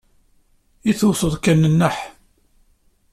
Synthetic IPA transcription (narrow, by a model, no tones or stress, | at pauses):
iθusˤəðˤkænːənːəħ